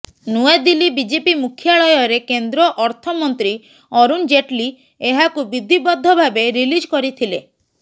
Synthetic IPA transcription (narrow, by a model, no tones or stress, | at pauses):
nued̪ilibid͡ʒepimukʰjaɭɔjɔɾekend̪ɾɔʔɔɾt̪ʰɔmɔnt̪ɾi | ɔɾund͡ʒeʈli | eɦakubid̪ʱibɔd̪ʱːɔbʱabeɾilid͡ʒkɔɾit̪ʰile